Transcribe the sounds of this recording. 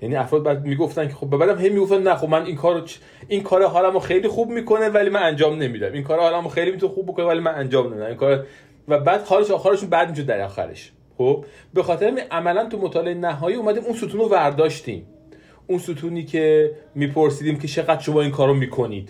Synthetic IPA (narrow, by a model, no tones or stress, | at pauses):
jæniːæfɾɒːd̪̚bæd̪miːɡoft̪ænkʰexobːebæːd̪æmɦe̞jmiɡo̞ft̪æmnæxobmæninkʰɒːɾot͡ʃ | inkʰɒːɾeɦɒːlæmoxejliːxubmiːkʰo̞nevælimænænd͡ʒɒːmne̞mid̪æmiŋkʰɒːɾehɒːlæmoxe̞jlimit̪ʰunexub̚ːiko̞nevælimænænd͡ʒɒːmne̞mid̪æmiŋkʰɒːɾe | væbæːd̪̥hɒːleʃɒːxæːɾeʃuːnbæd̪miʃ̬od̪ːæɾɒ̰ːxæ̰ɾḛʃ | xob | be̞xɒːt̪ʰeɾæmiʔæmælænt̪ʰumot̪ʰɒːleenæɦɒːjiːuːmæd̪iːmunsut̪ʰuːnovæɾd̪ɒːʃt̪ḭːm | unsut̪ʰuːniːcʰe̞miːpʰoɾsiːd̪iːmcʰet͡ʃʰe̞ɣæd̪̥ʃo̞mɒːiːnkʰɒːɾomiːkʰo̞nḭːd̪̥